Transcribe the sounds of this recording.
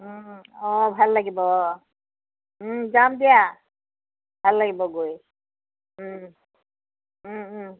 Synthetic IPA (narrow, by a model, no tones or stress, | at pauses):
ɔbʱalːaɡibɔ | d͡ʒamd̪ija | bʱalːaɡibɔɡoj